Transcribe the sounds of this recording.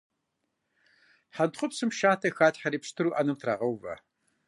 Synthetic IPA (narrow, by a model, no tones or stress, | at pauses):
ħantχʷʊpsɨmʃaːtʰɐxaːtħaɾiːpʂtʰɨɾuːʔɐnɐmtʰra̰ːʁɐwvɐ̰